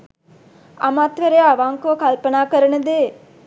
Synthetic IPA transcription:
ɐmat̪ʋəɾeaʋaːŋkokɐlpənaːkəɾənəd̪eː

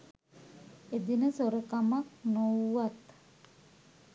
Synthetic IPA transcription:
ed̪inəsoɾekamaknowwat̪

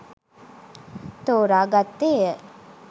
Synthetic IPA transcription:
t̪oːɾaːɡat̪ːeːə

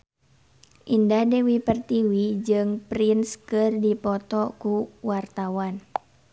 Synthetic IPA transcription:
ʔindadewipərt̪iwid͡ʒɨŋpɾinskɨrdipɔt̪ɔkuwart̪awan

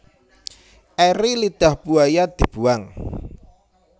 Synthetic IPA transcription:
ʔɛɾilid̪̥a̤hb̥uajad̪̥i̤b̥ṳaŋ

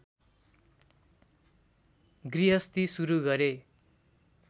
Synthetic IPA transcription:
ɡriɦʌst̪isuɾuɡʌɾe

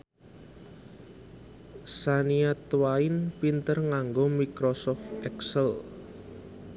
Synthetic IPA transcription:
saniat̪wainpint̪ərŋaŋɡomikɾɔsɔft̪ɛksəl

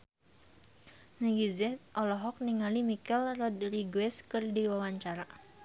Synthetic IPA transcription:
naɡizɛt̪̚ʔɔlɔɦɔk̚niŋalimikɛlrɔd̪riɡwɛskɨrdiwawaɲt͡ʃaɾa

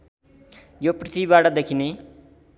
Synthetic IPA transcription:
joprit̪ʰibibaʈʌd̪ekʰine

